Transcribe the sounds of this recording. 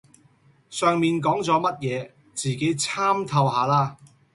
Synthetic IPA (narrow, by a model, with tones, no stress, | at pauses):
sœː˨ŋmiː˨nk̬ɔː˨˥ŋt͡sɔː˨˥mɐ˥t̚jɛː˨˧ | t͡siː˨ke˨˥jt͡sʰaː˥mt̪ʰɐ˧wɦaː˨˧laː˧